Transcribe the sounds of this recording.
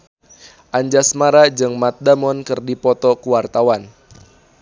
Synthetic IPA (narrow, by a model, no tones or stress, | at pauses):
ʔaɲd͡ʒasmaɾad͡ʒɨŋmat̪̚damɔnkɨrdipɔt̪ɔkuwart̪awan